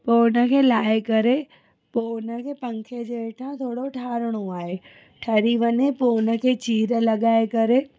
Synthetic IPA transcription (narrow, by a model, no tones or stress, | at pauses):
poːnə̆kʰeːlaːekɐɾe | poːnəkʰeːpɐ̃ŋkʰed͡ʑeːeʈʰãt̪ʰoːɽoʈʰaːɾəɽ̃oaːɦe | ʈʰɐɾiʋəɲepoːnə̆kʰeːt͡ɕiːɾlɐɠaːekɐɾe